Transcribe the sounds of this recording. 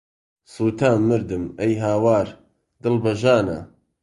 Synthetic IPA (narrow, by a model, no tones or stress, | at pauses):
suːt̪ʰaːmːɨɾd̪ɨmɐjɦaːwaːɾ | d̪ɨlbɐʒaːnɐ̰